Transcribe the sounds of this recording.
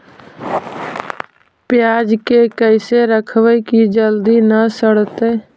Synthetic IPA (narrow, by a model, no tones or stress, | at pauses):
pjaːd͡ʒkekəɪseɾəkʰwəkid͡ʒəld̪inəsəɽt̪eː